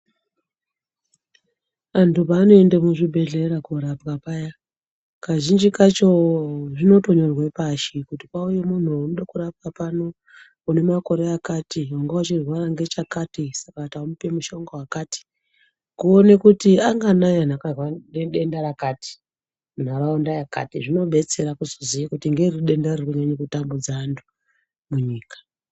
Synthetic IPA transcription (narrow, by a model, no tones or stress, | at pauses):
antupaːno̞e̞ndemuʐibʱe̞ɮeɾakuɾapkapaja | kaʒind͡ʒikat͡ʃoʐino̞to̞ɲorwepaʃikutipauje̞mun̤uanoɗakuɾap̚kapano̞ | une̞mako̞ɾe̞akatiwaŋɡewat͡ʃirwaraŋɡe̞t͡ʃakatisakataumupe̞muʃaŋɡawakati̥ | kuonekutiaŋɡanajan̤akarwaneɗendaɾakaːti̥ | mun̤aɾaondajaka̰tiʐino̞ɓe̞t͡se̞ɾakuzozijakutiŋɡe̞riɗe̞ndarekuɲaɲekutambud͡zaːntʰu̥ | muɲiːkḁ